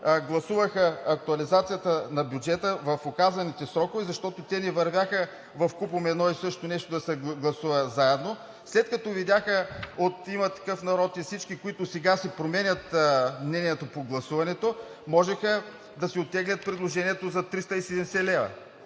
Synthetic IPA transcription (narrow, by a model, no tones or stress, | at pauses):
ɡlˠɐsuvəxəɐk̚t̪ʊɐlizat̪sijət̪ənɐbʲjud͡ʒɛt̪əvɐfokazɐnit̪ɛsɾɔkovɛzɐʃt̪ɔt̪ot̪ɛnɛvɐɾvʲjaxə | vɐfkupomɛnɔisɤʃt̪onɛʃt̪od̪ɐsɛɡlˠɐsuvɐzaɛd̪no | slɛt̪kɐt̪ɔvid̪ʲjaxəot̪imɐt̪ɐ̥kɤfnɐɾɔt̪ifsit͡ʃkikoit̪ʊsɛɡasɛpɾomɛnʲət̪mnɛnʲiɛt̪opoɡlˠɐsuvɐnɛt̪o | mɔʒɛxə | d̪ɐsɛot̪ːɛɡlʲɐt̪̚pɾid̪lˠoʒɛniɛt̪ozɐt̪ɾist̪ɐisɛd̪ɛmsɛlɛvɐ̰